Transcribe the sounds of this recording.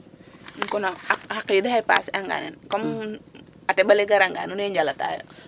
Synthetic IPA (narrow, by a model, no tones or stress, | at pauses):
ŋkunaahakidaɦajpa̰saŋɡa̰nɛnkɔm | atɛbalɛɡaɾaŋɡa̰nunaɲd͡ʒalat̪a̰ja̰